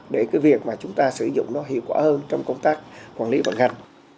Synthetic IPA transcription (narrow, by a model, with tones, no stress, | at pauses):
ɗe˧˩kaː˨˦jvi˨˩ək̚maː˨˩t͡ɕʊ˨˦ŋ͡mt̪aː˧sɨ˧˩zʊ̰˧˨ŋ͡mnɔ˨˦ɦḭ˧˨əwkwaː˧˩həː˧nt͡ɕɔ˧wŋ͡mkə˧wŋ͡mt̪aː˦˥k̚kwaː˧˩nli˨˦və̰˧˩nha˨˩ŋ̟